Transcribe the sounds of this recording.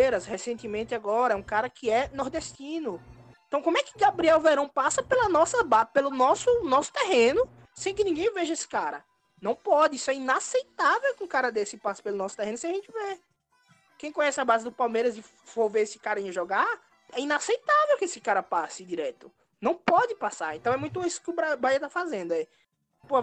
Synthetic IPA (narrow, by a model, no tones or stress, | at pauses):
eɾɐshesẽnt̪ɪmẽnt̪ɪaɡɔɾɐɛũkaɾɐkɪɛnɔɾd̪eʃt̪ĩnʊ | ẽt̪ɐ̃w̃kõmʊɛkɪɡabɾiɛwveɾɐ̃w̃pasɐpelɐnɔsɐbapelʊnɔsʊnɔsʊ̥t̪eɦẽnʊ | sẽj̃kɪnĩɡẽj̃veʒɐesɪ̥kaɾɐ̰ | nɐ̃w̃pɔd̪ɪisʊɛinasejt̪avɛwkɪũkaɾɐd̪esɪpasɐ̥pelʊnɔsʊ̥t̪eɦẽnʊsẽj̃aʒẽnt͡ʃ̪ɪve | kẽj̃kõɲɛsɪabazɪd̪ʊpawmeɾɐzɪ | foɾveɾesɪ̥kaɾɐĩɲɐʒɔɡa | ɛinasejt̪avɛwkɪesɪkaɾɐpasɪd̪iɾɛt̪ʊ | nɐ̃w̃pɔd̪ɪpasaɾẽt̪ɐ̃ɛmũj̃t̪̬uisʊ̥kɪʊbɾabɾaiɐt̪afazẽnd̪ʊɛ | po